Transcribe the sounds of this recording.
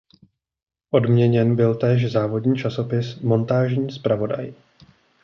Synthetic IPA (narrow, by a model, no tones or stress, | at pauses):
ʔo̞dmɲɛɲɛnbɪlt̪ɛːʃ̬zaːvo̞dɲiːt͡ʃaso̞pɪsmo̞nt̪aːʒɲiːspɾavo̞da̰j